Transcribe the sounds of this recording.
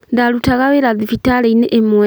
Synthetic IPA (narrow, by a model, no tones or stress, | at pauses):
ndalutaɣaβeɾaðifitaleineʔːmwe